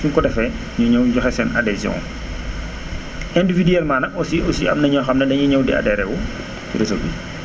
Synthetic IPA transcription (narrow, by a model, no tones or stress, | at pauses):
suŋkɔdɛfɛ | ɲuɲɐwjɔxɛsɛnɐdɛziɔ̰̃ŋ | ɛndividiɛlmaːnɐɔsiɔsiɐ̰mnɐɲɔxɐmnɐdɐɲuɲɐwdɛ̰ɐ̰dɛɾɛwu | cidɛsɔbi